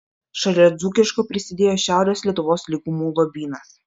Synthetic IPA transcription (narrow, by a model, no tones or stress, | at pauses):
ʃɐlʲɛːd̪zuːkʲɪʃkopʲɾʲɪsʲɪd̪ʲeːjoːʃʲæˑʊɾʲeːslʲiɛt̪ʊʋoːslʲiɡʊmuːlɔbʲiːnɐs